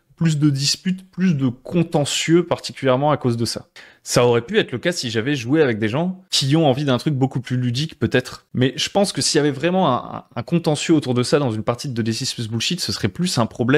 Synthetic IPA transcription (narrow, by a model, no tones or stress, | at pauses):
plys̬d̪əd̪ispyt̪plys̬d̪əkʰɔ̃t̪ɑ̃sjøpaʁt̪ikʲyljɛʁmɑ̃akozd̪əsa̰ | saɔʁɛpyɛt̪χləkasiʒavɛʒueavɛk̚d̪eʒɑ̃kʲʰiɔ̃ɑ̃vid̪ɛ̃t̪χyk̚bokuplylyd̪ikpøt̪ɛt̪χmɛʒəpɑ̃skəsijavɛvʁɛmɑ̃ɛ̰̃ɛ̰̃ɛ̰̃kɔ̃t̪ɑ̃sjøot̪uʁd̪əsad̪ɑ̃zynpaʁt̪id̪əlesispysbulʃit̪səsəʁɛplysɛ̃pχɔblɛ